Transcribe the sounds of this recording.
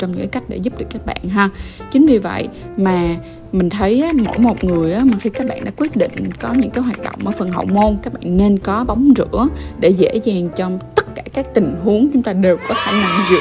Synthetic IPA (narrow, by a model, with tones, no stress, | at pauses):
t͡ɕɔ˧wŋ͡mɲɨ̰˧˥kːaː˨˧˦ka˦˥jk̚ɗḛ˧˩zu˦˥p̚ɗɨ˨˩əkːaː˦˥k̚ɓa̰ː˧˨nɦə˧ | t͡ɕï˨˦ŋ̟vi˨˩və̰˧˨jʔ | maː˨˩ | mï˨˩ŋ̟t̪ʰə˨˦jʔaː˨˦mo̰˧˥jmo˨˩t̚ŋɨ˨˩əjʔaː˨˦mï˨˩ŋ̟t̪ʰjkaː˦˥k̚ɓa̰ː˧˨nɗa̰ː˧˥kwi˦˥ət̚ɗḭ̈˧˨ŋ̟kɔ˨˦ɲɨ̰˧˥ŋkaː˨˦jɦwaː˨˩t̚ɗə̰˧˨wŋ͡mʔəː˧˩jfə˨˩nɦə̰˧˨wmo˧nkaː˦˥k̚ɓa̰ː˧˨nːe˧nkɔ˨˦ɓa˨˦wŋ͡mzɨ̰˧˥əɗe˧˩zḛ˧˥zaː˨˩ŋt͡ɕɔ˧t̪ə˦˥t̚kaː˧˩kaː˦˥k̚t̪ï˨˩ŋ̟ɦu˨˦əŋt͡ɕʊ˨˦ŋ͡mt̪aː˧ɗe˨˩wkɔ˨˦t̪ʰe˧˩na˧˨˩mzɨ̰˧˨